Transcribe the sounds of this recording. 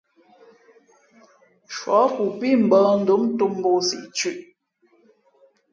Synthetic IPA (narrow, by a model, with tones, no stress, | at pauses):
ʃwɔ˨˦ku˨pi˦˨m̩˨bɔ˦n̩˦du˨˦mtu˦m˦bo˦˨sḭ˨t͡ʃʉ˦˨ʔ